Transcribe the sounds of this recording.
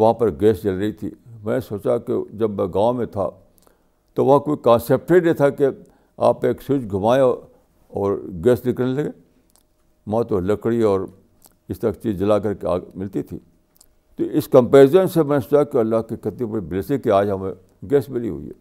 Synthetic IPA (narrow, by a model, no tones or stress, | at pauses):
ʋɐɦãpɐɾɡeːst͡ʃɐlɾɐɦit̪ʰḭːmɛ̃ːnesoːt͡ʃakḛd͡ʒɐbmɛ̃ɡãːmẽt̪ʰa̰ | t̪oʋɐɦãkoːikãːseːp̚ʈɾinẽt̪ʰake | a̰ːpeːksʊd͡ʒɡʱɐmaːe | ɔːɾɡeːslɪklnelɐɡeː | mɐãt̪olɐkɽiɔːɾ | ɪst̪ɐɾakt͡ʃiːzɐlak̬ɐɾkea̰ːmɪlt̪it̪ʰḭː | t̪oɪskɐ̃mpeːzənsemɛ̃ːnesoːt͡ʃakeɐlːaɦkikɐt̪ĩbɐɽiblesɪ̃kiaːd͡ʒɦɐmẽ | ɡeːsmɪlḭɦʊ̰ḭɦɛ̰ː